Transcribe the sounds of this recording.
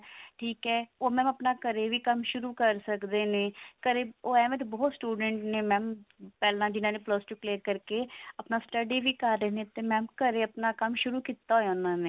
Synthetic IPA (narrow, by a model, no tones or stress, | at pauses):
ʈʰiːkɛːoːmɛ̃ːməpnaːkəɾeːʋiːkəmʃʊɾuːkəɾsəkd̪eːneːkəɾeːoːɛːmet̪bɔːt̪sʈuːɖəɳʈneːmɛ̃ːmpɛːlãːd͡ʒɪnãːneːpləst͡ʃukleːɾkəɾkeːəpnaːsʈəɖiːʋiːkaɾːeːnẽːt̪eːmɛ̃ːmkəɾeːəpnaːkəmʃʊɾuːkiːt̪ːaːɦojaːʊnãːneː